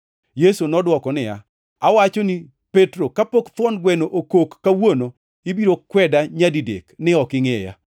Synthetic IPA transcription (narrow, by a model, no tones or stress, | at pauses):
jesunɔdwɔkɔnɪja̰ | awat͡ʃoni | petɾokapokfɔnɡwɛnoʔokokːawono | ɪbiɾokwɛdaɲadidḛknɪɔkɪŋɛja̰